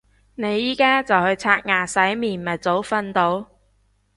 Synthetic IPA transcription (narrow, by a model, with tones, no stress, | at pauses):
ne˨˧jːiː˥kaː˥t͡sɐ˨whɵ˧ɥt͡sʰaː˧t̚ŋaː˨˩sɐ˨˥jmiː˨˩nmɐ˨t̚t͡so˨˥wfɐ˧nt̪o˨˥w